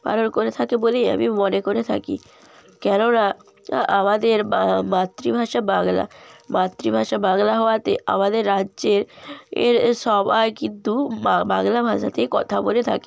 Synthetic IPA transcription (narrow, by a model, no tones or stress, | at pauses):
pa̰ɾonkoɾet̪ʰakeboleja̰mimonekoɾet̪ʰa̰kḭ | kɛnona | amad̪eɾamat̪ːɾibʱaʃabaŋla̰mat̪ːɾibʱaʃabaŋlaɦɔoat̪ea̰mad̪eɾːadːd͡ʑeɾḛɾʃɔbaekint̪uabaŋlabʱaʃat̪ʰekɔt̪ʰabolet̪ʰa̰ke̥